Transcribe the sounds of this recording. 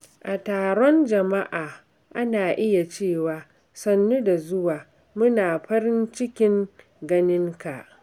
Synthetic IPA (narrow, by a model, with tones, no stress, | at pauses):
ʔa˨taː˨ɽɔ˦nd͡ʒɐ˨ma˦ʔaː˨ | ʔa˦naː˨ʔɪ˦ja˨t͡ʃeː˦˨waː˨ | sɐ˦nːu˦da˨zʊ˦waː˨ | mʊ˦naː˨ɸɐ˦ɾɪ˦nt͡ʃɪ˦kʲɪ˦ŋ | ɡɐ˦nɪ˦ŋka˨ʔ